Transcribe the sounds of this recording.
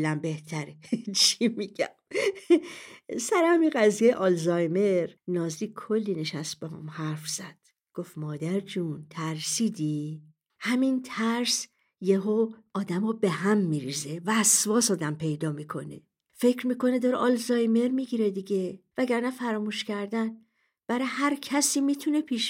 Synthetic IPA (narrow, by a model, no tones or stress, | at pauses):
læmbe̞ht̪ʰæɾet͡ʃʰimiɟæm | sæɾehæmiɡæzijejeʔɒlzɒjme̞ɾnɒːzd̪iːkʰolːine̞ʃæst̪̚behɔ̰mhæɾfz̥æd̪̥ | ɡ̥ofmɒːd̪æɾd͡ʒunt̪ʰæɾsiːd̪i | hæmint̪ʰæɾs | jeɦoɒːd̪æmɔbe̞hæmːiːɾizevæːsvɒːsɒːd̪æmpʰe̞jd̪ɒːmiːkʰo̞ne̞̰ | fe̞cʰɾmiːko̞ned̪ɒɾeʔɒlzɒjme̞ɾmiɡiɾed̪iɟevæɟæɾnæfæɾɒːmuːʃcæɾd̪æn | b̥æɾehæɾcʰæsiːmiːt̪ʰune̞pʰiʃ